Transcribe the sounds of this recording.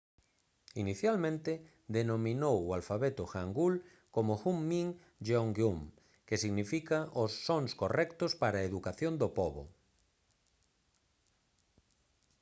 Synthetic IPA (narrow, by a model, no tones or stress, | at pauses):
iniθjalmẽnt̪e | d̪enomĩnowoalfaβet̪oxaŋɡul | komoxumːĩŋ | d͡ʒeoŋɡjum | kesiɣnifikaʔosːoŋskorɛkt̪ospaɾaeðukaθjond̪opoβo̰